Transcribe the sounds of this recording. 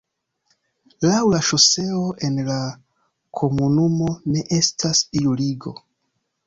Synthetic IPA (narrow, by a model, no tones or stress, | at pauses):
lawlaʃose̞oʔe̞nla | kʰo̞munumo̞ne̞ʔe̞stʰasiuliɡo̞